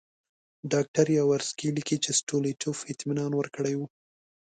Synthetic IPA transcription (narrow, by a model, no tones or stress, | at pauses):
ɖɑk̚ʈaɾjawaɾskilikit͡ʃesʈoliʈʰufɪt̪minɑnwəɾkəɽajwu